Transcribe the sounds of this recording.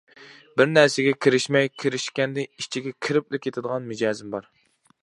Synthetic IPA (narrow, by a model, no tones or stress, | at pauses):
bɪɾnɛɾsɪɡʲɛkʲʰiɾɪʃmɛjkʲʰiɾɪʃkʲɛnd̪ɪit͡ʃʰiɡʲɛkʲʰiɾɪplɪkʲʰːet̪ʰɪd̪əʁɑnmud͡ʒɑːzɪmbɑɾ